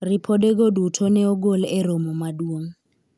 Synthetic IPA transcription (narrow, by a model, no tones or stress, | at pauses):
ripʰɔdek̬odutʰɔnɛɔɡ̬olɛromɔmaduoŋ̩